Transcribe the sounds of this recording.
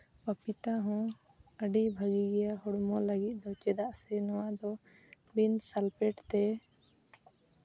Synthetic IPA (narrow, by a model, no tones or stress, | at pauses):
papit̪aɦɔ̃ | əɖibʱəɡiɡɛjahɔɽmɔləɡit̪̚ˀd̪ɔt͡ʃɛd̪aʔsɛnɔwad̪ɔ | binsalpɛʈt̪ɛ